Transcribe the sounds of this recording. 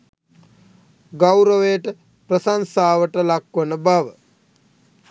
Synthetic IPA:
ɡawɾəʋejəʈə | prəsansaːʋəʈəlakʋənəbaʋə

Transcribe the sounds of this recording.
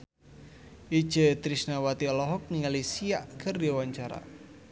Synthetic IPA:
ʔid̥ʒ̥ə̤t̪ɾisnawat̪iɔlɔɦɔk̚niŋalisiaʔkʰərdiawaɲt͡ʃaɾa̰

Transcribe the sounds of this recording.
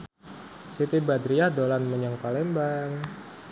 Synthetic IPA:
sit̪ibad̪ɾijahdolanməɲəŋkalɛmbaŋ

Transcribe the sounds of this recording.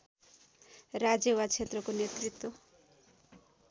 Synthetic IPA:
ɾad͡ʒewat͡ʃʰet̪ɾɔkonet̪ɾit̪ːwo

